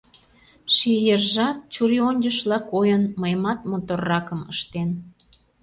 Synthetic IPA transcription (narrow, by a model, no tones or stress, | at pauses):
ʃijerʒɑt̪̚t͡ɕuɾionʲd͡ʑəʃlɑkojənməjmɑt̪̚mot̪orːɑkəmə̰ʃt̪en